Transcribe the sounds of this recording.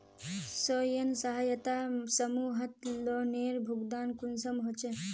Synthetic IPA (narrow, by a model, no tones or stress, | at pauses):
sɔjɐnsɐɦajət̪asəmuːɦɐt̪lɔneːɾbʱuɡd̪aːnkunsɐmɦot͡ʃe